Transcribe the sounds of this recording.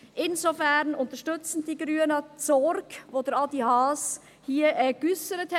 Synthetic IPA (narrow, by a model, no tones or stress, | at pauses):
ʔɪnzofɛɾnʊntəʃtʏt͡sn̩d̥iːɡɾyːənət͡sɔɾkvoːdɛɾɑdihɑːs | hiːɛːɡ̥ysəɾətʰ